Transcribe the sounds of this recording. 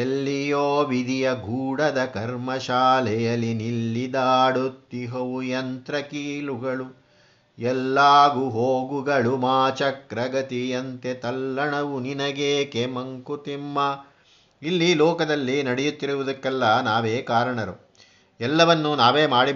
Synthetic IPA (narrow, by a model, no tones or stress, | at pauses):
elːijoːʋid̪ʱijɐɡʱuːɽɐd̪ɐkɐɾmɐʃaːlɛjɐlːinilːid̪aːɽut̪ːiɦɐʋujɐnt̪ɾɐkiːluɡɐɭu | ɛlːaːɡuɦoːɡuɡɐɭumaːt͡ʃɐkɾɐɡɐt̪iɐnt̪et̪ɐlːɐɳɐʋuninɐɡeːkemɐŋkut̪imːɐ | ilːilɔːkɐd̪ɐlːinɐɽɛjut̪ːiɾuʋud̪ɐkːɛlːɐnaːʋeːkaːɾɐɳɐɾu | ɛlːɐʋɐnːunaːʋeːmaːɽi